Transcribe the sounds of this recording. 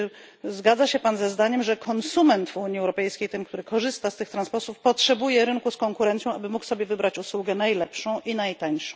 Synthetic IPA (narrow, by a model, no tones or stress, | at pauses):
zɡad̪zaɕɛpanzɛzd̪aɲɛmʐɛkʰɔnsumɛnt̪vuɲiɛwɾɔpɛjskʲejt̪ɘmkt̪uɾɘkɔʐɘst̪ast̪ɘxt̪ɾanspɔɾt̪ufpɔtʂɛbujɛɾɘŋkuskɔŋkuɾɛnt̪sʲjɔ̃w̃ʔabɘmuksɔbʲjɛvɘbɾat͡ɕuswuɡɛnajlɛpʂɔ̃w̃ʔinajt̪aɲʂɔ̃w̃